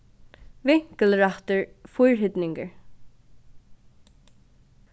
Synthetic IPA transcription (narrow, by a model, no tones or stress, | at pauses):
ʋɪŋ̥kəlɹaht̪əɹfʊjɹɦɪt̪nɪŋkəɹ